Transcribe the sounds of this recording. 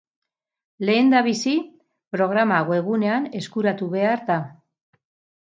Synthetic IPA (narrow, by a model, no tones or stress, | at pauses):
le̞ːnd̪aβ̞isi | pɾo̞ɣ̞ɾamaɣoe̞ɣ̞une̞ane̞skuɾat̪uβe̞aɾd̪a